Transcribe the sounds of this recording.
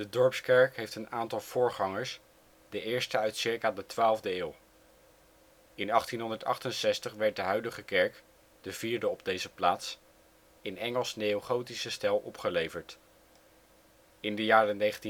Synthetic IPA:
dədɔɹpskɛɹkɦejftənaːntɑlˠv̥ʊːɹχɑŋəɹs | dəʔɪːɹstəœɥtsɪɹkaːdətʋaːlˠvdəɪːlˠ | ɪnɑχtinɦɔndəɹtɑ̰χtənsɛstəχʋɛɹt̚dəɦœɥdəχəkɛɹk | d̥əviːɹdəɔb̚dejzəplaːts | ɪnɛŋəlˠsnejowχowtisəstɛlˠʔɔpχəlejvəɹt | ɪndəjaːrənejχənti

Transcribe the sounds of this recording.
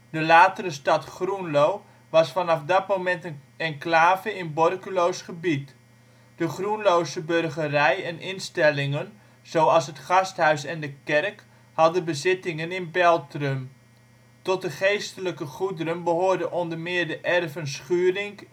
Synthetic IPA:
dəlaːtərəstɑtχrunlow | ʋɑsfɑnɑfdɑt̚mowmɛntə | ɛnklaːvəɪnbɔrkylowsχəbit | d̥əχrunlowsəbørχərɛjɛnɪnstɛlɪŋən | z̥owɑlˠsɦətχɑstɦœɥsɛndəkɛrk | hɑdəbəzɪtɪŋənɪnbɛlˠtrøm | tɔt̚dəχejstələkəχudəɾənbəɦoːɹdəʔɔndərmɪəɹdəʔɛrvənsχyːrɪŋ

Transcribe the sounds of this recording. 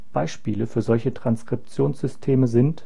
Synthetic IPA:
b̥aɪʃpiːləfyːɐzɔlçətʁ̥anskʁ̥ɪp̚t͡sjoːnsz̥ʏstʰeːməzɪnt

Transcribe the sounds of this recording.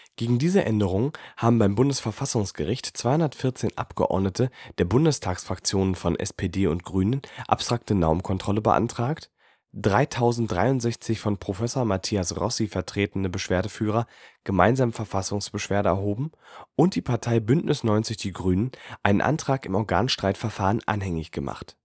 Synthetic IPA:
ɡ̥eːɡŋ̩diːzəʔɛndəʁ̞ʊŋəhaːbm̩baɪmbʊndəsfɛɐfasʊŋsɡ̥əʁɪçtt͡sv̥aɪhʊndɐtfɪɐt͡seːnʔa̰pɡ̥əʔɔ̰ɐdnətʰəd̥eːɐbʊndəstʰaːksfʁ̥akt͡sjoːnənfɔnʔɛ̰spʰeːdeːʊntɡ̥ʁyːnənʔa̰pstʁ̥ak̚tənaʊmnkʰɔntʁ̥ɔləbə̰ʔa̰ntʁ̥aːkt | d̥ʁaɪtʰaʊzn̩td̥ʁa̰ɪʊntz̥ɛçt͡sɪçfɔnpʁ̥ofɛsoːɐmatʰiːasʁɔ̰sifɛɐtʁ̥eːtn̩əbəʃv̥eːɐdəfyːʁ̞ɐɡ̥əmaɪnzaːməfɛɐfasʊŋsb̥əʃv̥eːɐɾəɛ̰ɐɦoːbm̩ʔʊnt̚d̥iːpʰaɐtʰaɪbʏntnʔɪsnɔʏnt͡sɪçd̥iːɡʁyːnənʔaɪnənʔa̰ntʁ̥aːkɪmɔɐɡa̰ːnʃtʁ̥aɪtfɛɐfaːʁənʔa̰nɦɛŋɪçɡ̥əma̰χt

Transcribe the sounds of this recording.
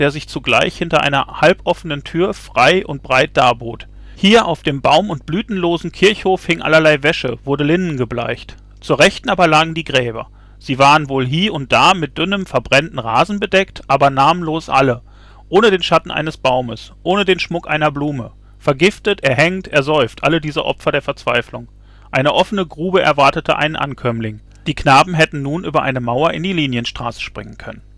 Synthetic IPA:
d̥eːɐzɪçt͡suɡla̰ɪçhɪntɐʔa̰ɪnɐ̰halpʔɔfənəntʰyːɐfʁ̥aɪʔʊ̰nt̚b̥ʁaɪt̚d̥aːboːt | hiːɐʔaʊfd̥eːmbaʊmʊnt̚b̥lyːtn̩loːzn̩kʰɪɐçhoːfhɪŋʔa̰lɐlaɪvɛʃə̰v̥ʊɐdəlɪnn̩ɡəbla̰ɪçt | t͡suːɐʁɛçtn̩ʔaːbɐlaːɡŋ̩diːɡʁɛːbɐ̰ | z̥iːvaːʁənvoːlɦiːɐʊnt̚d̥aːmɪt̚d̥ʏnəmfɛɐbʁɛntn̩ʁaːzn̩bədɛktʔaːbɐnaːməmloːsʔa̰lə | ʔoːnədeːnʃatn̩ʔa̰ɪnəsb̥aʊməsʔoːnədeːnʃmʊkʔaɪnɐbluːmə | fɛɐɡɪftətʔɛːɐɦɛŋtɛɐzɔʏftʔalədiːzəʔɔ̰pfɐdeːɐfɛɐt͡sv̥aɪflʊŋ | ʔaɪnəʔɔfənəɡʁuːbəʔɛɐvaɐtətʰəʔa̰ɪnənʔa̰nkʰœmlɪŋ | d̥iːknaːbm̩ɦɛtn̩nuːnʔyːbɐʔa̰ɪnəmaʊɐʔɪndiːliːnjənʃtʁ̥a̰ːsə̥ʃpʁ̥ɪŋənkʰœnən

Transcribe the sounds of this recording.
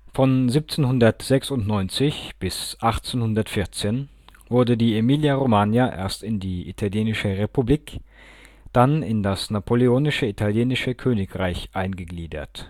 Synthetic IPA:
fɔnziːp̚t͡seːnhʊndɐtz̥ɛksʊntnɔʏnt͡sɪçb̥ɪsʔaχt͡seːnhʊndɐtfɪɐt͡seːn | vʊɐdədiːemiːljaʁomaːnjaʔḛːɐstɪndiːʔḭtʰaljeːnɪʃəʁepubliːk | d̥anɪndasnapʰoleoːnɪʃəitʰaljeːnɪʃəkʰøːnɪkʁaɪçʔaɪnɡəɡliːdɐ̰t

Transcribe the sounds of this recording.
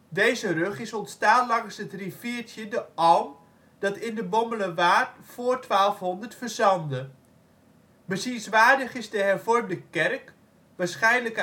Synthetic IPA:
dejzərøχɪsɔntstaːnlɑŋsətrifiətjədəʔɔwm | d̥ɑtɪndəbɔmbələʋaːtfoːrtʋaːlˠfɦɔndərtfərzɑndə | bəsinsʋaːdəχɪzdəɦɛrvɔrmdəkɛrk | ʋaːɹsχɛjnlək

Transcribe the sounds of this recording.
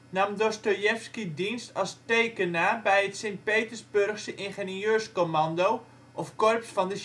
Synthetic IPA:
namdostojɛfskidinstɑlˠstejkənaːbɛjətsent̚peːtərzbørxsəʔɪnχenøːrskomɑndow | ʔɔfkɔrpsfɑndə

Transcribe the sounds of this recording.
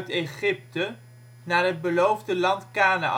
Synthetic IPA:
tejχɪp̚tə | naːrɦəd̚bəlowvdəlɑntkaːna̰ʔ

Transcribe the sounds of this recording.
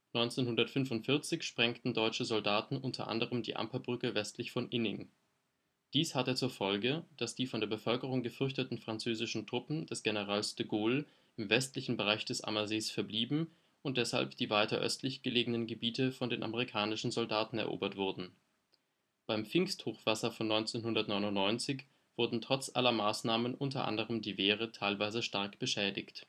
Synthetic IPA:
nɔʏnt͡seːnhʊndɐtfʏnfʊntfɪɐt͡sɪçʃpʁ̥ɛŋktn̩dɔʏt͡ʃəzɔldaːtn̩ʔʊntʰɐ̰ʔa̰ndəʁ̞əmdḭːʔa̰mpɐbʁʏkəvɛstʰlɪçfɔnʔɪnɪŋ | d̥iːshatət͡suːɐfɔlɡəd̥asd̥iːfɔndeːɐbəfœlkəʁ̞ʊŋɡəfʏɐçtətn̩fʁ̥ant͡søːzɪʃn̩tʁ̥ʊpm̩d̥ɛsɡ̥enəʁ̞aːlsd̥əɡoːl | ʔɪmvɛstlɪçn̩bəʁaɪçd̥ɛsʔa̰mɐzeːsfɛɐbliːbm̩ | ʔʊnt̚d̥ɛsha̰lpd̥iːvaɪtɐ̰ʔœ̰stʰlɪçɡ̥əleːɡənənɡəbiːtəfɔndeːnʔa̰məʁikʰaːnɪʃn̩zɔldaːtn̩ɛɐʔo̰ːbɐtv̥ʊɐdn̩ | b̥aɪmp͡fɪŋsthoːxv̥asɐfɔnːɔʏnt͡senhʊndɐtnɔʏnʊntnɔʏnt͡sɪç | v̥ʊɐdn̩tʁ̥ɔt͡sʔalɐmaːsnaːmənʔʊntɐ̰ʔa̰ndəʁ̞əmdiːveːʁ̞ətʰaɪlvaɪzəʃtaɐkb̥əʃɛːdɪçt

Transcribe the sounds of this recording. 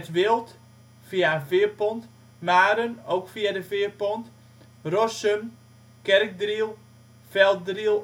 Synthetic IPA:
tʋɪlˠt | fiavɪərpɔnt | maːɾənowkfiadəfɪərpɔnt | rɔsøm | kɛrk̚drilˠ | fɛlˠt̚drilˠ

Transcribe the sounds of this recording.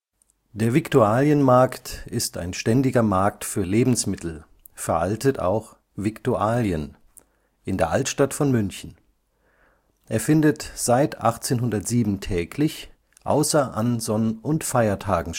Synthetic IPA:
d̥eːɐvɪktuaːljənmaɐktɪsta̰ɪnʃtɛndɪɡɐmaɐktfyːɐleːbm̩smɪtʰl̩ | fɛɐʔaltətʰa̰ʊx | v̥ɪktuaːljən | ʔɪndeːɐʔaltʃtatfɔnmʏnçn̩ | ʔeːɐfɪndətz̥aɪtʔa̰χt͡seːnɦʊndɐtz̥iːbm̩tʰɛːkʰlɪç | ʔa̰ʊsɐʔanzɔnəʊntfaɪɐtʰaːɡŋ̩

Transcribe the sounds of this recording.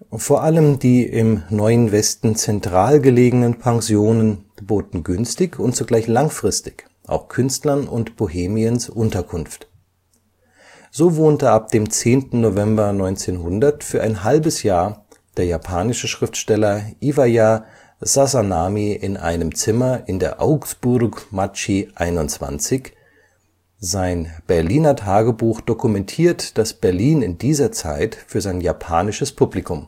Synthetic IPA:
foːɐʔaləmdiːʔɪmnɔʏənvɛstn̩t͡sɛntʁ̥aːlɡəleːɡənənpʰaŋzjoːnən̥əboːtn̩ɡʏnstɪçʊnt̚t͡suɡlaɪçlaŋfʁ̥ɪstɪ̥ç | ʔa̰ʊxkʰʏnstlɐnʊ̰ntb̥oheːmiənsʔʊntɐkʰʊnft | z̥oːvoːntəʔap̚d̥eːmt͡seːntn̩novɛmbɐnɔʏnt͡seːnhʊndɐtfyːɐʔaɪnɦalbəsjaːɐ | d̥eːɐjapʰaːnɪʃəʃʁ̥ɪftʃtɛlɐʔivaja | zazanaːmiʔɪnʔa̰ɪnəmt͡sɪmɐʔɪndeːɐʔaʊksb̥ʊɾkmat͡ʃiʔaɪnʊnt͡sv̥a̰nt͡sɪç | zaɪnb̥ɛɐliːnɐtʰaːɡəbuːxd̥okumɛntʰiːɐtd̥asb̥ɛɐliːnɪndiːzɐt͡sa̰ɪtfyːɐzaɪnjapʰaːnɪʃəspʰublikʊm

